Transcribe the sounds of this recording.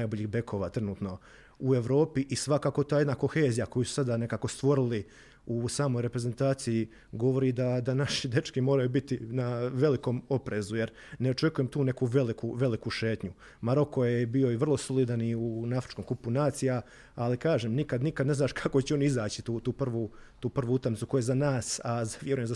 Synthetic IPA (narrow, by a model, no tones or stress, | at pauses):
najboʎixbe̞kʰo̞ːʋaːt̪ɾenuːt̪no̞ | ue̞ʋɾo̞ːpiʔisʋakaːkot̪aːjed̪nako̞xeːzijako̞jusu̥sad̪ane̞kaːko̞st̪ʋo̞ɾili | usaːmo̞jɾe̞pɾe̞ze̞nt̪aːt̪siji | ɡo̞ʋo̞ɾiːd̪ad̪anaʃid̪e̞t͡ʃkimo̞ːɾajubit̪inaʋe̞liko̞ːmo̞pɾeːzuje̞ɾ | neo̞t͡ʃe̞kuje̞mt̪uːne̞kuʋe̞likuʋe̞likuʃe̞ːt̪ɲu | maɾo̞ko̞jebijo̞iʋr̩lˠo̞solid̪aniunaafɾi̥t͡ʃko̞mkupunaːt̪sija | alikaːʒeːmnikad̪nikad̪ne̞znaːʃkʰakot͡ɕɛo̞niizaːt͡ɕi̥t̪uːt̪uːpr̩ʋut̪uːpr̩ʋuut̪amnit̪suko̞jezanaːsazaʋje̞ɾujemza